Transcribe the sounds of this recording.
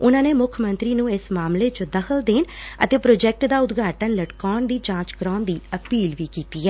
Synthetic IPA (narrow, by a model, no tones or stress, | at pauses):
ʊnãːneːmʊkʰmənt̪ɾiːnũːɪsmaːmleːt͡ʃod̪əxʰəld̪eːnə̰t̪eːpɾoːd͡ʒɛːk̚ʈd̪aːʊd̪ɡʱaːʈənləʈkɔːɳd̪iːd͡ʒãːt͡ʃɡɾɔːnd̪iːəpiːlʋiːkiːt̪iːɛː